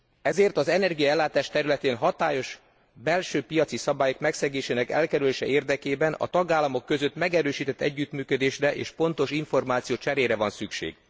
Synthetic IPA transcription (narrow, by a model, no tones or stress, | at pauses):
ɛzeːrt̪ɒzɛnɛrɡijɒɛlːaːt̪aːʃt̪ɛɾylɛt̪eːnɦɒt̪aːjo̞ʃ | bɛlʃøːpijɒt̪sisɒbaːjo̞kmɛksɛɡeːʃeːnɛkɛ̰lkɛɾyleːʃɛeːrd̪ɛkeːbɛnɒ̰t̪ɒɡaːlːɒmo̞kːø̞zø̞t̪mɛɡɛɾøːʃiːt̪ɛt̪ːɛ̰ɟːyt̪myːkød̪eːʃrɛʔḛːʃpo̞nt̪o̞ʃiɱfo̞rmaːt̪sijoːt͡ʃɛɾeːɾɛvɒnsykʃḛːɡ̥